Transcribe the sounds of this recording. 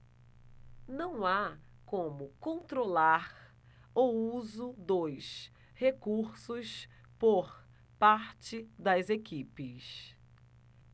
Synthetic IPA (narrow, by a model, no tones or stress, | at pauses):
nɐ̃w̃akõmʊkõnt̪ɾolaɾ | owuzʊd̪ojʃ | hekuɾsʊs | poɾ | paɾt͡ʃɪd̪ɐzekipɪs